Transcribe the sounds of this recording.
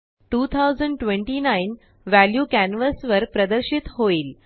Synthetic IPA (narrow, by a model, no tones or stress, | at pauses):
ʈuːt̪ʰawzəɳɖʈʋẽɳʈinain | ʋæljuːkænʋəsʋəɾpɾəd̪əɾɕit̪ɦoiːl